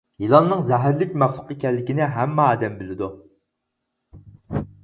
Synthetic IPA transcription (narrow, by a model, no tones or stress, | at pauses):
jilˠɑnːɨŋzɛɦæɾlɪkʲmæχlˠʊqekʲɛlːɪkʲinɪɦɛmːɑːd̪ɛmbɪlɪd̪u